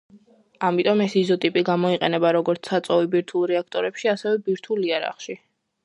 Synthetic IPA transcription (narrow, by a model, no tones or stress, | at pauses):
amit̪ʼɔmɛsizɔt̪ʼipʼiɡamɔiqʼɛnɛbaɾɔɡɔɾt̪sʰat̪sʼɔvibiɾt̪ʰulˠɾɛak̚ʰt̪ʼɔɾɛpʃiasɛvɛbiɾt̪ʰuliaɾa̰χʃi